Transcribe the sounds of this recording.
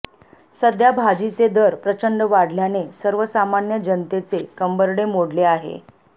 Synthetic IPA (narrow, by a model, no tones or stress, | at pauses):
səd̪jabʱad͡ʑit͡sed̪əɾpɾət͡ɕəɳɖəʋaɽljanesəɾʋəsamanjəd͡ʑənt̪et͡sekəmbəɾɽemoɽleaɦḛ